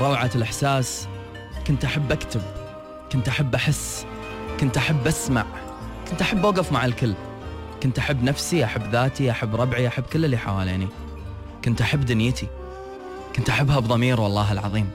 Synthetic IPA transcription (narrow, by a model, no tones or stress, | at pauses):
ɾˤɑwʕalʔɪħsaːs | kʊnt̪ʔaħabːʔakt̪ɪb̚ | kʊnt̪ʔaħabːʔaħɪsː | kʊnt̪ʔaħabːʔasma̰ʕ | kʊnt̪ʔaħabːʔaːɡɪfmaʕalkɪlː | kʊnt̪ʔaħabːnafsiʔaħabːðaːt̪iʔaħabːɾˤɑbʕiʔaħabːkɪlːɪlːiħa̰waːlaːni | kʊnt̪ʔaħabːd̪ʊnjɪt̪ʰi | kʊnt̪ʔaħabːhabðˤɑmiːɾwɑlˤːɑːɦɪlʕɑ̰ðˤiːm